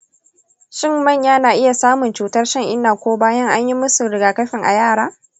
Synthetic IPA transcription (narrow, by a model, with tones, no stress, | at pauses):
ʃɪ˦mːɐ˦˨ɲjaː˦naː˨ʔɪ˦ja˨saː˦mʊ˨nt͡ʃuː˨tɐ˦rʃɐ˦ŋʔɪ˦nːaː˨kʷoː˦baː˦jɐ˦ŋʔa˦ɲji˦mʊ˦su˨ɽɪ˨ɡaː˨kɐ˦ɸɪ˨ŋʔa̰˨jaː˦˨ɽaː˦